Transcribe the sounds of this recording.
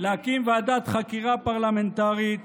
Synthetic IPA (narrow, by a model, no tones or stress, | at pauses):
leakimvead̪at̪χakiʁapaʁlament̪aʁit̪